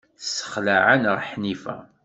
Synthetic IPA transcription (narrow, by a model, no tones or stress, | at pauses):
sə̥χlaʕanʁəħnifæ̰